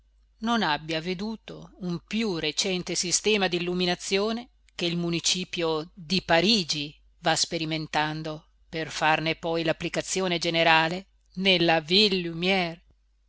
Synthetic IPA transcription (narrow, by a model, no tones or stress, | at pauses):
nonabːjaved̪uːt̪oumpjuret͡ʃɛnt̪esist̪ɛːmad̪ilːuminat̪sːjoːne | k̟eilmunit͡ʃiːpjod̪ipaɾiːd͡ʒi | vaspeɾiment̪and̪o | perfarnepɔjlapːlikat̪sːjoːned͡ʒeneɾaːle | nelːavilːumjɛr